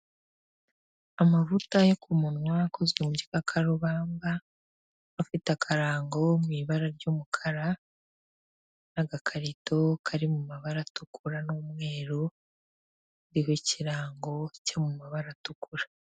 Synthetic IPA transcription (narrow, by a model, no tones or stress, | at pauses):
amavutajokʰumunwaako̞zwemuɟikakʰaɾuβaːmbaː | fitakʰaɾaːŋɡo̞mwiβaɾaɾɟuːmukʰaɾa | naɡakʰaɾitʰo̞kʰaɾimumaβaɾatukʰuɾanomŋe̞ːɾo | ndiɦeciɾaːŋɡo̞cemumaβaɾatukuɾa